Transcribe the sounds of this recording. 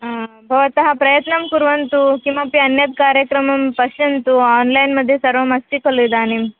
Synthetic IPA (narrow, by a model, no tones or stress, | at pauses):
bʱəʋat̪ɐɦapɾəjət̪nəmkuɾʋənt̪ukĩw̃ʋapiːənjət̪̚kaɾjəkɾəməmpəɕənt̪uɔnlajinməd̪ʱːjesəɾʋəmast̪ikəlujd̪anim